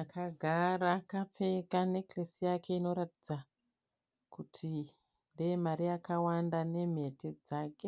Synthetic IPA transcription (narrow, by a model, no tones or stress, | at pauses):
akʰaɡʱaɾakap͡fe̞kane̞klesijake̞ino̞ɾatid͡za | kutʰi | ndejemaɾijakawandane̞m̤e̞ted͡zaːke̞